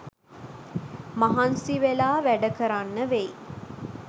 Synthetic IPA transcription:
maɦansiʋelaːʋæɖəkəɾanːəʋe

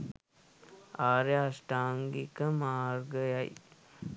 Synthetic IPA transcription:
aːɾeɐsʈaːŋɡikɐmaːɾɡɐjaj

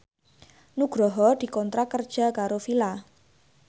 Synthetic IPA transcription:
nuɡ̥ɾɔɦɔd̪̥i̤kɔnt̪ɾʔakərd̥ʒ̥a̤kaɾofila

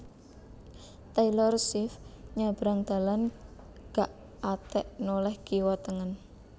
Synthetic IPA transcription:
t̪ajlɔrsɪfɲab̥ɾaŋd̪̥a̤lan | ɡ̥aʔ | at̪ɛʔnolɛhɡ̥iwat̪əŋən

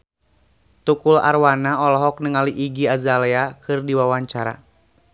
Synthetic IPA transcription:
t̪ukula̰rwanaɔlɔɦɔk̚nəŋaliʔiɡiazalɛakʰɨrdiwawaɲt͡ʃaɾa̰

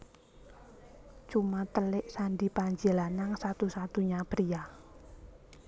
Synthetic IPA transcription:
t͡ʃumat̪əlɪʔsaɳɖipaɲd͡ʒəlanaŋsat̪usat̪uɲapəɾia

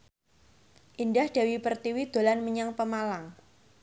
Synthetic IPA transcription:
ʔindahd̥a̤wipərt̪iwid̪̥o̤lanməɲaŋpəmalaŋ

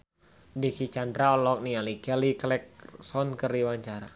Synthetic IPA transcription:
dikit͡ʃandɾaɔlɔk̚nialikɛliklɛk̚sɔnkəriwaɲt͡ʃaɾa

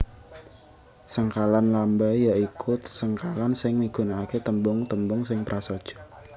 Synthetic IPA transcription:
səŋkalanlambajjaikʰʊt̪̚səŋkalansɪŋmiɡ̥unaːket̪əmbʊŋt̪əmbʊŋsɪŋpɾʔasod̥ʒ̥ɔ̤̥

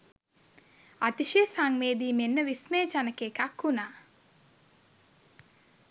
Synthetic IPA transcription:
at̪iʃiəsaŋmeːd̪iːmenːəʋismeːt͡ʃanəkekakhunaː

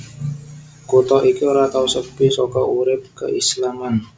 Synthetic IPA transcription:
kut̪ɔʔikioɾat̪ausəbɪsɔkɔʔuɾɪp̚kə̰ʔislaman

